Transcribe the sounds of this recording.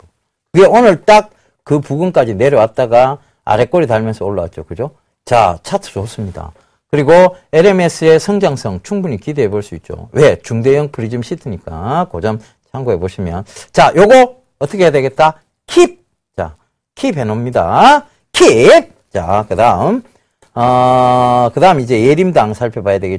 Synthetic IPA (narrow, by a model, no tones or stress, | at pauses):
kɯɡeonɯɭt͈ak̚ | kɯpuɡunk͈ad͡ʑine̞ɾjʌwat̚t͈aɡa | a̰ɾe̞k͈oɾitaɭmjʌnsʰʌoɭːa̰wat̚t͡ɕ͈okɯd͡ʑo | t͡ɕa̰t͡ɕʰatʰɯsos͈ɯmɲida̰ | kɯɾiɡoeɾe̞mesʰɯe̞sʰʌŋd͡ʑaŋsʰʌŋt͡ɕʰuŋbuɲikideɦeboɭs͈uit̚t͡ɕ͈o̰we̞t͡ɕuŋdejʌŋpɯɾid͡ʑɯmɕʰitʰɯɲik͈a̰kod͡ʑʌm | t͡ɕʰaŋɡoɦe̞boɕʰimjʌnt͡ɕajoɡo | ʌtʰʌkʰejadwe̞ɡe̞t̚t͈a | kʰip̚ | t͡ɕa̰ | kʰipʰe̞nomɲida̰ | kʰip̚t͡ɕa̰kɯdaɯm | ʌ | kɯdaɯmid͡ʑe̞jeɾimdaŋsʰaɭpʰjebajadweɡe